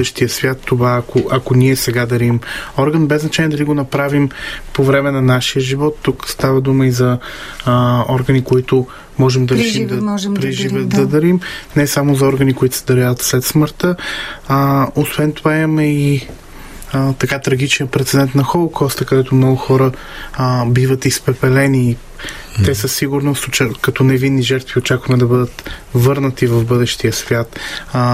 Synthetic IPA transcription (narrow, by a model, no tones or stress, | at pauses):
səʃt̪iəsvʲjat̪ːovaːkoʔɐkoniɛsɛɡad̪ɐɾimɔɾɡənbɛznɐt͡ʃaniɛd̪ɐliɡonɐpɾavimpovɾɛmɛnɐnaʃijəʒivɔt̪ːukst̪avəd̪uməizɐ | ɔɾɡənikoit̪ʊ | mɔʒɛmd̪ɐɾɛʃimd̪ɐpɾɛʒivət̪d̪ɐd̪ɐɾimnɛsamozɐɔɾɡənikoit̪ʊ̥sɛd̪ɐɾaɐt̪slɛt̪sməɾt̪ə | osvɛnt̪ovaiməmɛi | t̪ɐkat̪ɾɐɡit͡ʃniəpɾɛt̪sɛd̪ɛnt̪nɐxɔlˠokɔst̪əkɐd̪ɛt̪ʊmnɔɡʊxɔɾə | bivət̪ispɛpɛlɛniː | t̪ɛsəsiɡʊɾnoʊt͡ʃəkɐt̪ɔnɛvinːiʒɛɾt̪viot͡ʃakvɐmɛd̪ɐbɤd̪ət̪vɤɾnət̪ivɐvbɤd̪ɛʃt̪iəsvʲjat̪